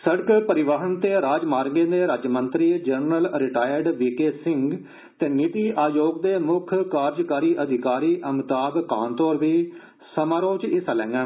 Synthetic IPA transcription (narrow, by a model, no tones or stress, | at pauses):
səɽkpəɾɪʋaːɦənt̪eːɾaːd͡ʒmaːɾɡẽːd̪eːɾaːd͡ʒmənt̪ɾiːd͡ʒənɾəlɾɪʈaːjəɾɖʋiːkeːsɪŋɡ | t̪eːnɪt̪iːʔaːjoːɡd̪eːmʊkʰkaːɾd͡ʒkaːɾiːʔəd̪ʱɪkaːɾiːʔəmt̪aːbkaːnt̪ɔːɾʋiː | səmaːɾõːt͡ʃɪsaːlɛ̃ːŋɡɛ̃ː